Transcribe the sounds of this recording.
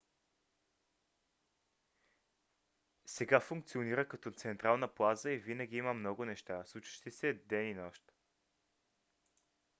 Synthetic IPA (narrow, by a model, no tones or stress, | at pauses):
sɛɡafʊŋk̚t̪sioniɾəkɐt̪ɔt̪sɛnt̪ɾalˠnəplˠazəivinəɡ̟iiməmnɔɡʊnɛʃt̪aslˠut͡ʃə̥ʃt̪isɛd̪ɛninɔʃt̪